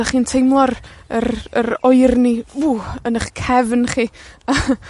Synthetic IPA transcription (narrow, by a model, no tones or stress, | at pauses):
aχiːntʰejmlˠɔrəɾəɾɔɨrniuənəχkʰɛvnχiːə